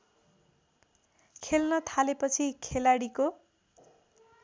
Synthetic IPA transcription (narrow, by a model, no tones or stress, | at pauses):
kʰelnʌt̪ʰalepʌt͡sʰikʰelaɽiko